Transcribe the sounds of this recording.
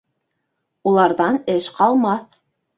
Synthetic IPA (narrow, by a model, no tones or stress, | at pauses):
ulˠɑɾðɑnɘʃqɑlˠmɑθ